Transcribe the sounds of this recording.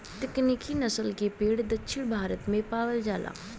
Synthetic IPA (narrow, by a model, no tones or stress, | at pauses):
t̪ɪkniːkʰinəsəlkepeːɽd̪ətːʃʰɪɳbʱaːɾət̪mẽpaːʋəld͡ʒaːlʔa̰ː